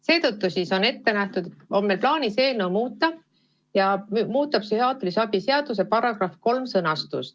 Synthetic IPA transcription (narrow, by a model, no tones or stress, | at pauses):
se̞ːt̪ɤt̪ːusiso̞ne̞t̪ːe̞næht̪ud̪o̞mːe̞lplɑːnise̞ːlnowmuːt̪ːˑɑ | jɑmmuːt̪ːˑɑpsyhɑːt̪ˑlisɑb̥ise̞ɑd̪̥us̬e̞pɑɾɑɡ̥rɑfko̞lmsɤnɑst̪ṵst̪